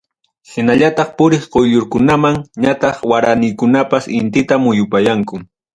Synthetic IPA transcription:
hɪnaʎat̪ɑχpʊɾɪχqojʎʊɾkʊnamaŋɲat̪ɑχwaɾanɪjkʊnapasɪnt̪ɪt̪amʊjʊpajaŋkʊ

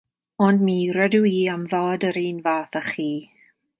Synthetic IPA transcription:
ɔndmiːɾɛduiːamvɔːdəɾiːnvaːθaχiː

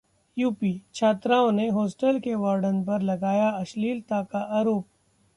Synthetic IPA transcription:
juːpiːt͡ʃʰaːt̪ɾaːõneɦɔːsʈəlkeʋaːɾɖənp̬ɐɾlɐɡaːjaɐʃliːlt̪akaʔaːɾoːp̚

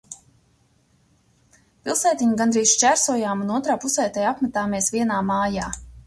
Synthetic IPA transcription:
pilˠsɛːt̪iɲuɡanɾiːsʃt͡ʃæɾsuɔjaːmunuɔt̪ɾaːpusɛːt̪ɛːjapmæt̪aːmeɛsviɛnaːmaːjaː

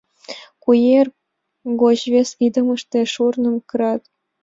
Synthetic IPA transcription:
kujer | ɡoʑʋʲesid̪ɤ̆mɤ̆ʂt̪ʲeʂurnɤ̆mkɤɾɑt̪

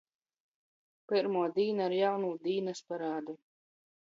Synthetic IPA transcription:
pɨɾmuɔd̪iːnaɾjawnuːd̪iːnɐspaɾaːd̪u

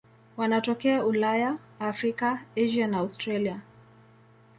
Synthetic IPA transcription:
wanatɔkɛaulajaː | fɾikaeʒianaastɾalia

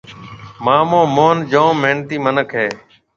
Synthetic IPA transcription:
maːmõːmoːnd͡ʒoːmeːnt̪iːmənəkʰɦeː

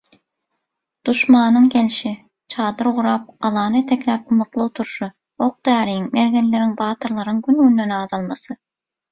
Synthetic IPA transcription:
d̪̥uʃmɑːnɯŋkʲelʃi | t͡ʃʰɑːd̪ɯɾʁʊɾɑp̚ɑlˠɑːnɨet̪ʰekʲlæp̚umɑqlˠɯot̪ʰuɾʃɯ | oq̚d̪æːɾijiŋmeɾɡʲenleɾiŋbɑːt̪ʰɯɾlˠɑɾɯŋɡʲynɡynd̪enɑːzɑlˠmɑsɯ

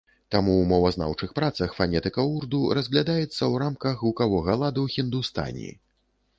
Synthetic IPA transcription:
t̪amuwmɔwɐzna̰wt͡ʂɨxpɾat̪sɐxfanʲɛt̪ɨkɐurd̪uɾɐzɣlʲad̪ajɛt̪sːɐwɾamkɐxlˠukavɔɣɐlˠad̪ɐwxʲind̪ust̪a̰nʲḭ

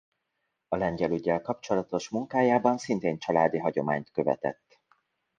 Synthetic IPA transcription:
ɒlɛɲɟɛlyɟːɛlkɒpt͡ʃo̞lɒt̪o̞ʃmuŋkaːjaːbɒnsint̪eːnt͡ʃɒlaːd̪iɦɒɟo̞maːɲt̪kø̞vɛ̰t̪ɛ̰t̪ː

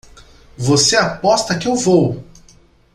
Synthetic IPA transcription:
voseapɔst̪ɐkɪewvow

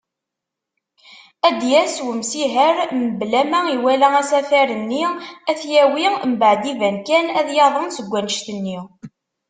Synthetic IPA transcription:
æd̪jæswəmsiɦəɾməblæmæiwælææsæfæɾənːiæθjæwimbəʕd̪ivænkænæðjɑðˤənsəɡʷːænəʃt̪ənːi

